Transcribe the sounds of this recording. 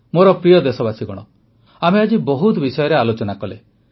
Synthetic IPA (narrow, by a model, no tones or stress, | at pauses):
moɾɔpɾijɔd̪esɔbasiɡɔɽ̃ɔ̰ | amead͡ʒibɔɦut̪bisɔjɔɾealot͡ʃɔnakɔle